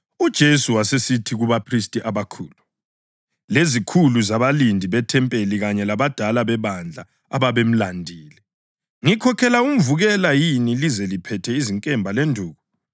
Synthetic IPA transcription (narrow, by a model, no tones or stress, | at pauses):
ud̥ʒ̥ʱesuwasesitʰiɣuβapʰristʼiʔaβakʰṵːlu | lezikʰuluzaβalindʱiβɛtʰɛmpʼeliɣaɲɛlaβad̥ʱalaβɛβand͡ɮʱa | a̰βaβem̩landʱiːlɛ | ŋikʰɔkʰɛlaum̩vuɣɛlajinilizɛlipʰɛtʰɛiziŋkʼɛmbʱalendʱuːɣu